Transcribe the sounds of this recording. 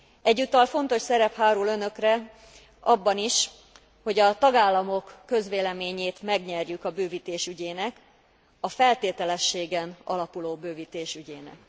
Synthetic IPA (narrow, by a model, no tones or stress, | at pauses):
ɛɟːut̪ɒlfo̞n̪t̪o̞ʃsɛɾɛphaːɾulø̞nø̞krɛ | ɒbːɒniʃ | ho̞ɟɒt̪ɒɡaːlːɒmokːø̞zʋeːlɛmeːɲeːt̪mɛɡɲɛrjykɒbøːvit̪eːʃyɟeːnɛk | ɒfɛlt̪eːt̪ɛlɛʃːeːɡɛnɒ̰lɒpuloːbøːvit̪eːʃyɟeːnɛ̰k